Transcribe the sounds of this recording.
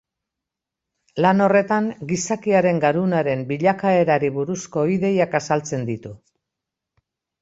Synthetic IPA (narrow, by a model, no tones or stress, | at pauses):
lano̞re̞t̪aŋɡisakiaɾe̞ŋɡaɾunaɾe̞mbiʎakae̞ɾaɾiβuɾusko̞iðe̞jakasalt͡se̞nd̪it̪u